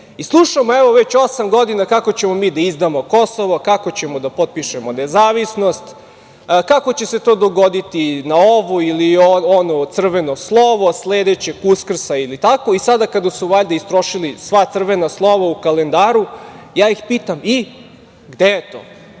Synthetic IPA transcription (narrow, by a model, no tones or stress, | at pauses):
islˠuʃamoeʋo̞ʋet͡ɕo̞samɡo̞d̪inakako̞t͡ɕe̞mo̞miːd̪aizd̪amo̞kosoʋokako̞t͡ɕemod̪apot̪̚piʃemonezaːʋisno̞st̪ | kako̞t͡ɕe̞se̞t̪oːd̪o̞ɡod̪it̪inaoʋuilioonot̪sr̩ʋenoslˠoʋosleːd̪et͡ɕekuskr̩sailit̪ako̞isad̪akad̪asuʋaʎd̪aist̪ɾo̞ʃilisʋat̪sr̩ʋenaslˠo̞ʋaukale̞nd̪aːɾujaːjixpiːt̪ami | ɡd̪ejet̪o̰ː